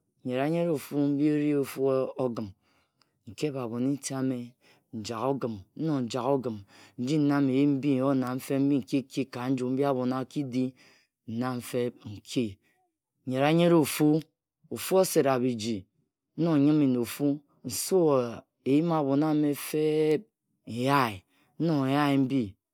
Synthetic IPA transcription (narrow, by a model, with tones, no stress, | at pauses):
ɲe˨ɾa˨ɲe˦ɾo˨fu˦m̩˦bi˦o˦ɾi˦o˨fu˦o˦ɡɨ˨m | ŋ̩˨ke˦ba˨bo˨ni˦ta˦me˨ | n̩˨d͡ʒa˨ɣo˦ɡɨ˨mn̩˦no˨n̩˨d͡ʒa˨ɣo˦ɡɨ˨mn̩˦d͡ʒi˦n̩˦na˦me˨ji˦m̩˦bi˦o˦na˨m̩˦fe˦m̩˦bi˦ŋ̩˨ki˦˨ki˦ka˨n̩˦d͡ʒu˨m̩˦bi˦a˦bo˨na˦˨ki˦di˦ | n̩˨na˦ɱ̩˦fe˦ŋ̩˨kʰi˦˨ | ɲe˨ɾa˨˦ɲe˦ɾo˨fu˦ | u˨fu˦a˦se˨ɾa˨bi˨d͡ʒi˨ | n̩˦no˦˨ŋ˨ɲɨ˦mi˨no˨fu˦ | n̩˨so˦˨ | e˨ji˦ma˨bo˨na˦me˨˦fe˦b̩̚˨ | ja˦i˨ | n̩˦no˨ja˦i˨m̩˦bi˦